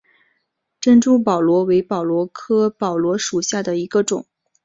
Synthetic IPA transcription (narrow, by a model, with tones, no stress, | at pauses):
ʈ͡ʂə˥nʈ͡ʂu˥˩pɑ˨˩ʊlwɔ˧˥we˧˥ɪpɑ˨˩ʊlwɔ˧˥kʰɤ˥pɑ˨˩ʊlwɔ˧˥ʂu˨˩ɕja˥˩d̪ə˩i˧˥ɡə˧ʈ͡ʂʊ˨˩˦ŋ